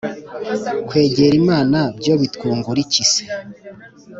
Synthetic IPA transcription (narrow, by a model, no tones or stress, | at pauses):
kwe̞ːɟeɾimaːnabjo̞βitkuːŋɡuɾicise̥